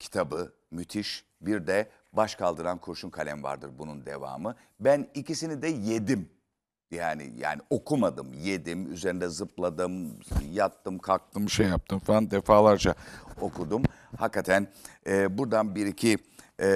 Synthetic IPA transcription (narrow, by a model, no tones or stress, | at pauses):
cʰi̥t̪ʰabɯ | myt̪ʰiʃ | biɾd̪ɛ | baʃkʰalˠd̪ɯɾankʰuɾʃunkʰalʲɛmva̰ɾd̪ɯɾbunund̪ḛva̰ːmɯ | bænicisinid̪ɛjed̪im | jaːnɪ̰ja̰ːniʔo̞kʰumad̪ɯmje̞d̪imy̰zeɾind̪ɛzɯplˠad̪ɯmjat̪ːɯmkʰak̚t̪ʰɯmʃejap̚t̪ʰɯmfaand̪efaːlˠaɾd͡ʒao̞kʰud̪um | hakːat̪ʰænɛːbuɾd̪anbiɾicʰi